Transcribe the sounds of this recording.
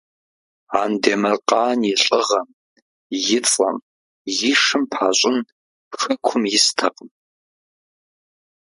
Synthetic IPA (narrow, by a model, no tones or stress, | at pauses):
aːndeːmɐrqɑːnjiɬʼɨʁɐm | jɪt͡sʼɐ̰m | jɪʂɨmpʰaːɕʼɪn | xɨkʷʰʊmjɪstʰɐqʼəm